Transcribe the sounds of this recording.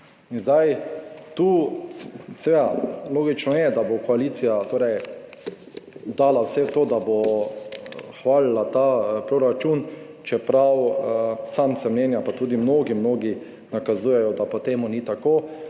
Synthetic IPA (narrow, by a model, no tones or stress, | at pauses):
inzd̪ajt̪u | sɛʋed̪aloːɡit͡ʃnɔjɛd̪abokɔalit̪sijat̪oːɾɛj | d̪aːlawsɛt̪oːd̪abo | xʋaːlilat̪apɾoɾat͡ʃun | t͡ʃɛpɾawsamsɛmnɛːnjapat̪uːd̪imnoɡimnoːɡi | nakazuːjɛjɔd̪apot̪eːmunit̪akoː